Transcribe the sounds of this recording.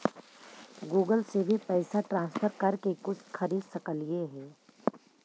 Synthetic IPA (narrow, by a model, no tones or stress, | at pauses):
ɡuːɡəlsebʱipɛːsaʈɾãːnspʰəɾkɐɾkekʊt͡ʃʰxʰɐɾiːd̪sɐkəlieɦɛ̃ː